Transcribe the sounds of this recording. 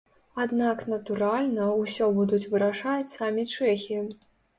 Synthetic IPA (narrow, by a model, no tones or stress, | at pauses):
ad̪naknɐt̪uɾalʲnɐusʲɔbud̪ut͡sʲvɨɾaʂat͡sʲsamʲit͡ʂɛxʲi